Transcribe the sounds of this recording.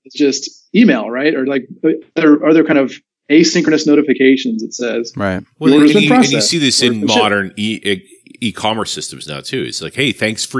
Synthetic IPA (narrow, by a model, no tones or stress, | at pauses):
ɨzd̥ʒ̥ʌst | imeɪlˠɹaɪt̚ə˞laɪk̚ðə˞ə˞ðə˞kʰãɪ̃ndʌv̥ | eɪsɪ̃ŋkɹə̃nɨsnoʊɾɨfɨkʰeɪʃɨ̃nzɨtsɛz̥ɹaɪt̚wɛə̃ðɨpɹ̥ɑɨsnjɨssiðɪsɨ̃nmɑɾə̃˞niʔ | ikʰɑmə˞sɪstm̩zna̰ʊtʰʉɨ̰tslaɪkheɪθæ̃ŋksfə˞